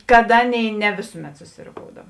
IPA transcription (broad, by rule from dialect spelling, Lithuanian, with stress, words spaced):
kɐt ˈɑːˌnʲeːɪ nʲɛ ˈʋʲeːsʊˌmʲɛt sʊsʲɪroːˈkoːʊdɐw